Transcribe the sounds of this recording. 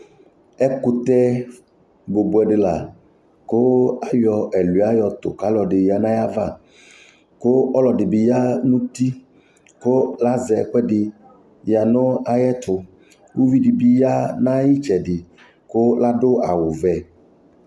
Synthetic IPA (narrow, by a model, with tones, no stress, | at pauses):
ɛ˦ku˦t̪ɛ˦ | bo˨bu˨ɛ˨ɖɪ˨la˨ | ko˦a˦jɔ˨ɛ˨lu˨˦a˦jɔ˨t̪ʊ̰˨ka˦lɔ˨ɖɪ˨ja˨nã˦ja˦va˦˨ | ko˦ɔ˦lɔ˨ɖɪ˨bi˨ja˦nũ˦t̪i˦ | ko˦la˦zɛ˨˦k͡pɛ˦ɖɪ˨ | ja˨nɔ˦a˨jɛ˦t̪ʰʊ˨ | wu˦vi˦ɖi˨bi˦ja˦nã˦ji˦t͡ʃɛ˨ɖɪ˨ | ko˦la˦ɖo˦a˨wo˨vɛ˨